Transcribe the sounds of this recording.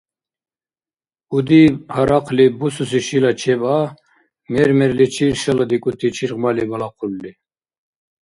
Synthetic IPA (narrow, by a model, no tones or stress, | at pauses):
ud̪ihaɾaqʰlibusus̬iʃilat͡ʃʰɛba | mɛɾmɛɾlit͡ʃʰiɾʃalad̪ikʼut̪ʰit͡ʃʰiɾqmalibalaqʰulːi